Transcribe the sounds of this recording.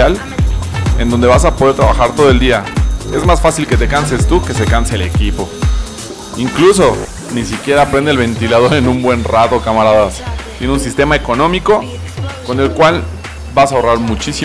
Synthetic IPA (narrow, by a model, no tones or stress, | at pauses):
al | e̞̰nd̪o̞nd̪e̞βas̬apo̞ð̞e̞ɾt̪ɾaβaxaɾt̪o̞ð̞oeld̪iae̞zmasfasilke̞t̪e̞kanse̞st̪uke̞se̞kansele̞̰kipo̞ | iŋkluso̞ | nisikje̞ɾaːpɾe̞nd̪elβ̞e̞nt̪ilað̞o̞ɾe̞nũmbwe̞nrat̪okamaɾaðast̪je̞neuns̬ist̪e̞mae̞ko̞nõ̞miko̞ | ko̞ne̞lkwal | basaoraɾmut͡ʃisi